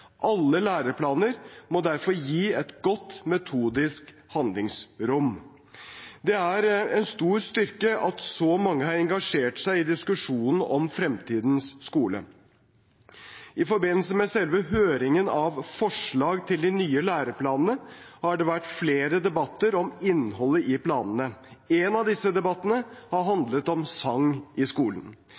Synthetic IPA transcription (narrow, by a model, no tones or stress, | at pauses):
ʔɑlːəlæːɾəpʰlɑːnəɾmɔd̪æɾfɔɾjiːɛt̪ɡɔt̪ːmɛt̪ʰuːd̪ɪsk | hɑnd̪lɪŋsɾʊm | d̪ɛæɾɛnst̪uːɾst̪ʏɾkəɑt̪sɔmɑŋːəhɑɾɛŋɡɑʂeːʈsæɪɪd̪ɪskʉʂuːnn̩ɔmfɾɛmt̪ʰiːd̪n̩sːkuːlə̰ | ʔɪfɔɾbɪnːəlsəmɛsɛlʋəɦøːɾɪŋənɑʋfɔʂɭɑːɡt̪ʰɪld̪ɪnyːəlæːɾəpʰlɑːnənəhɑɖɛʋæʈːfleːɾəd̪ɛbɑt̪ːəɾɔmɪnːɦɔlːəʔɪpʰlɑːnənəɛnɑʋd̪ɪsːəd̪ɛbɑt̪ːənəhɑɾɦɑnd̪lət̪ɔmsɑŋːʔɪskuːlən